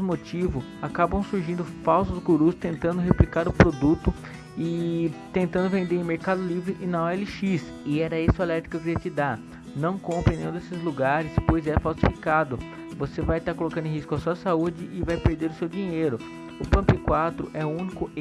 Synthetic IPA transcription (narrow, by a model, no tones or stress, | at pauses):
mot͡ʃivʊ | akabɐ̃w̃suɾʒĩnd̪ʊfawsʊzɡuɾust̪ẽnt̪ɐ̃nd̪ʊɦeplikaɾʊpɾod̪ut̪ʊ | ɪt̪ẽnt̪ɐ̃nd̪ʊvẽnd̪eɾẽmeɾkad̪ʊlivɾɪʔɪnɐoɛlɪʃis | ɪɛɾɐisʊalɛɾt̪ɾikʊkɪɾiɐt͡ʃɪd̪a | nɐ̃w̃kõmpɾɐ̃nẽjũd̪esɪzluɡaɾɪspojzɛfawsifikad̪ʊ | vosevajt̪aɾkolokɐ̃d̪ʊẽɦiskʊɐsuɐsaud͡ʒɪʔɪvajpeɾd̪eɾʊsewd͡ʒiɲejɾʊ | ʊpɐ̃mpikwat̪ɾʊ̰ʔɛʊũnikʊ